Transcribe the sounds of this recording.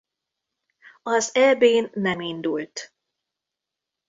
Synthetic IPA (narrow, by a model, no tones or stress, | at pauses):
ɒzɛbeːnːɛmind̪ult̪